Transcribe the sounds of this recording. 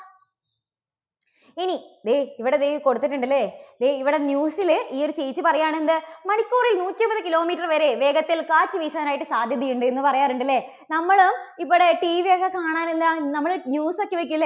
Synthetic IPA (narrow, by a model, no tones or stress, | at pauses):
inid̪eːiʋiɽed̪eko̞ɽut̪ːiʈ̬ːuɳɖɐlːed̪eːiʋiɽe̞njuːsiliːoɾut͡ɕejit͡ɕːɨpɐrɐjaːɳe̞nd̪ɨmɐɳikʲːuːrilnuːtʲːɐmpbɐðɨkilo̞ːmiːʈːɐrʋɐɾe̞ʋe̞ːɡɐt̪ːilkaːtːɨʋiːɕɐðɐnaːjiʈːɨsaːd̪ʱjɐd̪ijuɳɖɨenːɨpɐrɐjaːruɳɖɐlːe̞ | nɐmːɐɭumip̬ːoːɽeʈiːʋijokːekaːɳaːnenːaːnɐmːɐɭnjuːsokːeʋek̬ʲːulːe